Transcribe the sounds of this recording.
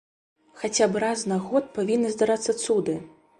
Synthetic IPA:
xat͡sʲabɾaznaɣɔt̪̚pavʲinːɨzd̪aɾat̪sːɐt̪sud̪ɨ

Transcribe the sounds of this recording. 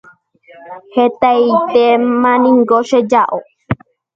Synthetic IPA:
het̪ait̪emãnĩŋɡoʃed͡ʒaʔo

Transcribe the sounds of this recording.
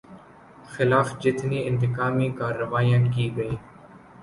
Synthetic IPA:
xɪlaːfd͡ʒɪt̪niːɪnt̪ɪkaːmiːkaːɾəʋaːijãːkiːɡəiː

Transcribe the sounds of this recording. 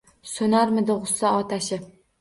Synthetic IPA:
sonaɾmɪd̪ɪʁʊsːaɒt̪ʰaʃɪ

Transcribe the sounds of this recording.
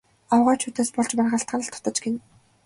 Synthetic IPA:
awʁaːt͡ɕʰuːt̪æːspɔɮt͡ɕpærʁə̆ɬt̪̚ɢanə̆ɬt̪ʰɔ̥t̪ɞ̆t͡ɕɡen

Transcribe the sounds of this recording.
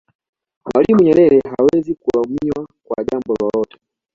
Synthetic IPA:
mwalimuɲɛɾɛɾɛɦawɛzikulamiwakwa̰ʄambɔlɔlɔtɛ̥

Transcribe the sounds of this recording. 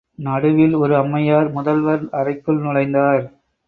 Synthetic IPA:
nɐɽɯʋɪlɔɾɯɐmːɐjaːɾmʊðɐlʋɐɾɐrɐɪkːɯlnɪɻɐɪnd̪aːɾ

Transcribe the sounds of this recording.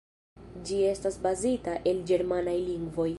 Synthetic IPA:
d͡ʒie̞stasbazitaʔe̞ld͡ʒe̞ɾmanajliŋɡvo̞j

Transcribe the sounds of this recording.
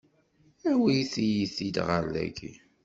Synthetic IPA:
æwiθijiθid̪ʁəɾlæ̰ɡḭ

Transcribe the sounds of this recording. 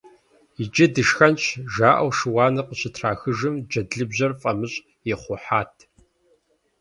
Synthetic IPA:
id͡ʒɐdɨʂxɐnɕʰʒaːʔɐ̰wʃɨwɑːnɐqəɕʼɪtʰraːxɨʒɨmd͡ʒɐdɮɨbʑɐrfʼɐmɨɕʼ | jɛχʷʊħaːtʰ

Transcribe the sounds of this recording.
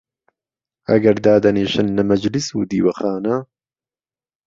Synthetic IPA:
ɐɡɐɾd̪aːd̪ɐneːʃɨnːɐmɐd͡ʒlisuːd̪iːwɐxaːnɐ

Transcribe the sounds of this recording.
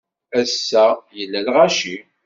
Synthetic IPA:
æsːæjəlːælʁaʃi

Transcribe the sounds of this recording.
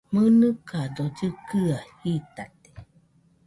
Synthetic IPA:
mɯnɯkad̪od͡ʒɨkɯahit̪at̪e̥

